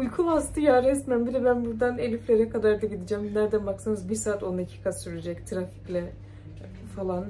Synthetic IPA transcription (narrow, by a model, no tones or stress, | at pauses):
ujkʰunast̪ʰɯjaːɾɛsmæmbid̪ɛbænbuɾd̪anelʲiflʲeɾɛkʰad̪aɾd̪aɟid̪id͡ʒæmnæɾd̪ænbaksɯnɯzbiɾsaːt̪o̞necʰi̥kʰasyɾed͡ʒɛct̪ʰɾafi̥clʲɛ | falˠan